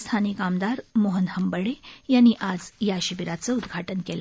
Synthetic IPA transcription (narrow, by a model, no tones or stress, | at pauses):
st̪ʰanikamd̪aɾmoɦənhəmbəɽejanːiːʔad͡zjaɕibiɾat͡səud̪ɡʱaʈənkela